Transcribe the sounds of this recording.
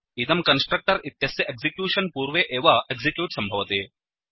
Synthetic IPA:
it̪ɐmkɐnsʈɾɐk̚ʈɐɾit̪jɐsjɐʔeksikjuːʂɐnpuːɾʋeːʔeːʋɐeɡsikjuːʈsɐmbʱɐʋɐt̪eː

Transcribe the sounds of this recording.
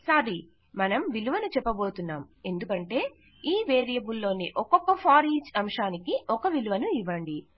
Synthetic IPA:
saːɾi | mɐnɐmʋiluʋɐnut͡ʃɛpːɐbo̞ːt̪unːaːme̞nd̪ukɐɳʈe̞ː | iːʋeːɾijɐbulːo̞ːniʔɔkɔkːɐpʰaːɾiːt͡ʃɐmʂaːnikiʔɔkɐʋiluʋɐnuiʋːɐɳɖi

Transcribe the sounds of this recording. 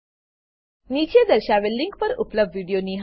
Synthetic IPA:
nit͡ɕed̪əɾɕaʋelːiŋkpəɾupləb̚d̪ʋiɽijoniɦ

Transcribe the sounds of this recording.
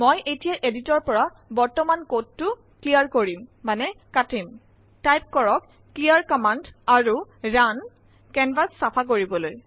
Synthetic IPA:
mojʔetijaʔeditɔɹpɔɹa | bɔɹtɔmankod̚tːʊ | klijaɹkoɹimːanɛkatim | tajp̚kɔɹɔkːlijaɹkɔmandaɹuɹan | kɛnbasːapʰak̬oɹibɔloj

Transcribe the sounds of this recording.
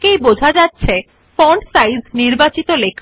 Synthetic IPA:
kejbod͡ʑʱad͡ʑatːɕʰe | fɔɳɖsajzniɾbat͡ɕit̪olekʰ

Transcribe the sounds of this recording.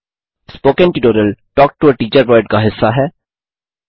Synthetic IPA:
spoːkɛ̃nʈɪʈoːɾəlʈɔːk̚ʈuəʈiːt͡ʃəɾʋəːɾɖkaɦɪsːaɦɛː

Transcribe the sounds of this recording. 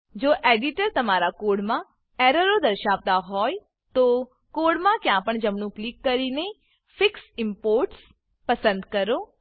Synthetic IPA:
d͡ʒoːʔeːɖɪʈəɾt̪ɐmaːɾakoːɾɽmã | ɛːɾəɾod̪əɾʃaːʋt̪aɦɔːj | t̪o | koːɽmãkjãːpəɳd͡ʒəmɳũplikːəɾine | fɪksɪ̃mpoːɾʈs | pəsə̃nd̪kəɾoː

